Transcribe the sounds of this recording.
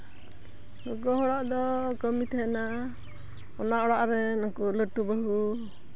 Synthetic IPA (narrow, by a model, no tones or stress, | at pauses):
ɡɔɡɔɦɔɽaʔd̪ɔkəmit̪ʰɛɛna | ɔnaʔɔɽaʔɾɛnɔkuləʈubəɦu